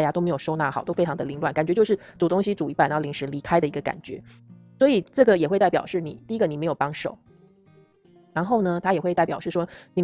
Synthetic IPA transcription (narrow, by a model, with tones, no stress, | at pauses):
ja˨˩t̪o˥ʊm˧ɪjo˨˩ʂo˥ʊna˥˩xɑ˨˩ʊt̪o˥ʊfe˥ɪʈ͡ʂʰɑ˧˥ŋd̪ə˧li˧˥lwa˨˩˦nka˨˩nt͡ɕɥɛ˧˥t͡ɕjo˥˧ʊʂɻ̩˥˩t͡su˨˩t̪ʊ˥ŋɕi˧˥ʈ͡ʂu˨˩i˧˥pa˨˩n˥˩li˧˥ŋʂɻ̩˧˥li˧˥kʰa˥ɪd̪ə˨i˧˥ɡə˧ka̰˨˩nt͡ɕɥɛ̰˧˥ | swɔ˧˥i˨˩ʈ͡ʂɤ˥˩ɡə˩jɛ˨˩we˥˧ɪt̪a˥˩ɪjɑ˨˩ʊʂɻ̩˥˩nḭ˨˩t̪i˥˧i˥ɡə˧i˨˩me˧˥ɪjo˨˩ʊpɑ˥ŋʂo˨˩˦ʊ | ɻa˧˥nxo˥˩ʊnə˩t̪ʰa˥jɛ˨˩wɪt̪a˥˩ɪpjɑ˨˩ʊʂɻ̩˥˩ʂwɔ˥ni˨˩